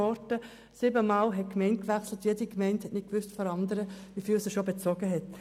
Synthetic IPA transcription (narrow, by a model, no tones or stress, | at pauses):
ɔɾtə | siːbəmɑːlɦɛt̚kmɛɪnt̚kʋækslət̪jedikmɛɪnthɛtnɪk̚kʋʏstfɔɾɑndəɾəʋifiːlsɪʃobet͡sɔɡəɦɛt